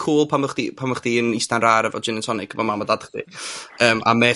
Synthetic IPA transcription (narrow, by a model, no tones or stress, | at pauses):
kʰuːlˠpʰaməχd̥ipʰaməχd̥iənistanraːɾəvɔ̰d͡ʒɪnəntʰɔnɪɡ̥ʰəvɔmamadadχd̥ḭəːmʔa̰mɛ